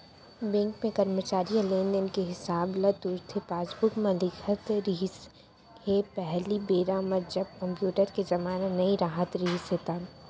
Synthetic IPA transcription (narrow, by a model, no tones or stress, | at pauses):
bɛ̃ːŋkmẽkɐɾmət͡ʃaːɾijãleːndɪnkeɦɪsaːblɐt̪ʊɾt̪ʰepaːsbʊkmãlɪkʰət̪ɾiɦs | hepɛɦlibeːɾaːməd͡ʒɐb̚kɐ̃mpjuːʈəɾkezɐmaːnanɐiɾaːɦət̪ɾiɦset̪aː